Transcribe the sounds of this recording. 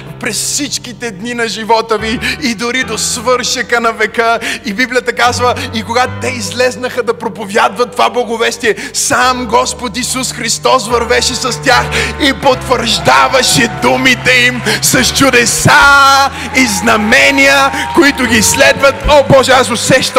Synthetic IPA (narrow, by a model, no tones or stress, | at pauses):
pɾɛsfsit͡ʃkit̪ɛd̪ninɐʒivɔt̪əviːd̪ʊɾid̪osvɤɾʃɐkənɐvɛkəibiblijət̪ɐkazvəikoɡat̪t̪ɛizlɛznəxəd̪ɐpɾopovjad̪vɐt̪ːovablˠɐɡovɛst̪iɛsamɡɔspot̪isusxɾist̪ɔsvɐɾvɛʃɛsɐst̪ʲaxipot̪vəɾʒd̪avɐʃɛd̪umit̪ɛimsɐst͡ʃʊd̪ɛsa | iznɐmɛniəkoit̪ʊɡʲislɛd̪vɐt̪obɔʒɛasosɛʃt̪